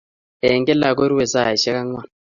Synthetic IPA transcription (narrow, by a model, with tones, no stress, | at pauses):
ɛ˨ŋɡɛ˦la˨k̬o˦ɾi˦wɛ˨sa˦˨i˨ʃɛ˦ka˦ŋwa˦n